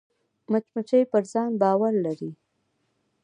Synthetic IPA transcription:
mat͡ʃmat͡ʃəjpəɾzɑnbɑwaɾlaɾi

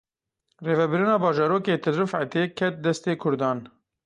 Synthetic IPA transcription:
reːvɛbɨɾɨnɑːbɑːʒɑːɾoːkeːt̪ʰɨd̪ɾɨfʕa̰t̪eːkʰɛt̪̚d̪ɛst̪eːkʰʊɾd̪ɑːn

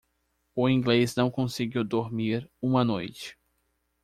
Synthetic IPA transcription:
ʊĩɡleznɐ̃w̃kõsɪɡiwd̪oɾmiɾũmɐnojt͡ʃɪ̥

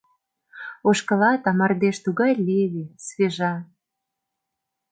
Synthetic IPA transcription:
oʃkɤ̆lɑt̪ɑmɑrd̪eʃt̪uɣɑjlʲeβisβeʒɑ

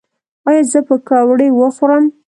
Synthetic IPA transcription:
ɑjɑzəpəkɑwɽewəxoɾəm

